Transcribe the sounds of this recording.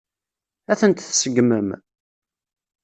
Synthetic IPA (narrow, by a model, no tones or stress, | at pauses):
æθənt̪θsəɡməm